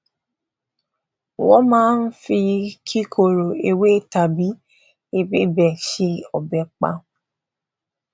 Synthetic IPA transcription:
wɔ˦mãː˦n̩˦fi˧kʰi˦kʰo˨ɾo˨e˧we˦ta˨bi˨˦ | e˧be˦bɛ˦˨ʃe˧ɔ˨bɛ˨k͡pa̰˧

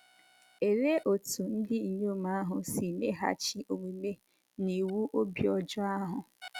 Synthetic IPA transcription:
e˨ɾe˦ʔo˨tu˨n̩˦dɪ˦i˨ɲo˦˨ma˦a˦ɦʊ˨si˨le˦ɦa̰˦t͡ʃi˦o˨ŋʷi˨le˦ | ni˨wu˦ʔo˦bi˦ɔ˨d͡ʒʊ˦a˦ɦʊ˨

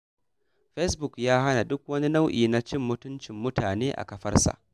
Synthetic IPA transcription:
ɸe˦sbʊ˨kjaː˦ɦa˦na˨dʊ˦k̚wɐ˦ni˦na˦wʔḭː˨na˦t͡ʃɪ˦˨mːʊ˦tʊ˦nt͡ʃɪ˨mːʊ˦taː˨neː˦ʔa̰˨kɐ˨ɸɐ̰˦rsa̰˨ʔ

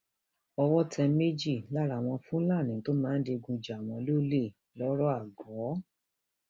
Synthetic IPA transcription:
ɔ˧wɔ˦tʰɛ˧me˦d͡ʒi˦˨la˦ɾa˨w̃ɔ̃˧fũ˦la˦˨nĩ˨˦to˦mãː˦n̩˦de˧ɡũ˧d͡ʒa˨w̃ɔ̃˧lo˦le˦˨ | lɔ˦ɾɔ˦a˦˨ɡɔ˨˦

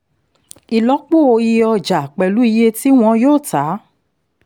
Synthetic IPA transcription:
i˨lɔ˨˦k͡po˦˨o˧ji˧ɔ˧d͡ʒa˨k͡pɛ˨lu˨˦i˧je˦˧ti˦w̃ɔ̃˧joː˦˨ta˨˦

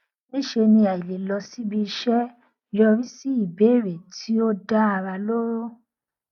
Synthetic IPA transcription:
e˦ʃe˧nĩ˧a˨i˨le˨lɔ˧si˦bi˧ʃɛ˦˨ | jɔ˧ɾi˦si˦i˦˨be˨˦˨ɾe˨tʰi˨˦o˦da˦a˧ɾa˧lo˦ɾo˦

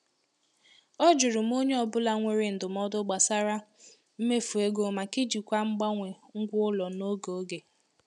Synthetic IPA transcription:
ɔ˦d͡ʒʊ˨ɾʊ˨m̩˦o˦ɲe˦ɔ˨bʊ˦la˦ŋʷe˦ɾɪ˦n̩˨dʊ˨m̩˦ɔ˦dʊ˦ɡ͡ba˨sa˦ɾa˦ | m̩˦me˦fu˨e˦ɡo˨ma˨kɪ˦d͡ʒi˨kʷa˦ŋ͡m̩˦ɡ͡ba˦ŋʷe˨ŋ̩˦ɡʷʊ˦ʊ˦lɔ˨no˦ɡo˨o˦ɡe˨

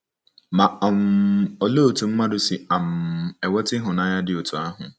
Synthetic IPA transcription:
ma˨ɔ˨mo˨lo˦˨tu˨m̩˦ma˦dʊ˨sɪ˨a˨m̩˨ɛ˨wɔ˦tɪ˦ɦʊ˨na˨˦ja˦dɪ˨o˨tʰu˨a˦ɦʊ̰̃˨

